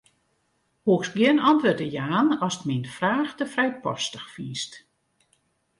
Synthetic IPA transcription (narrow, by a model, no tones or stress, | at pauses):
huəksɡjɪənɔntʋøːrtəjaːnɔsətminfraːxtəfrɛjpɔ̰stəxfiːst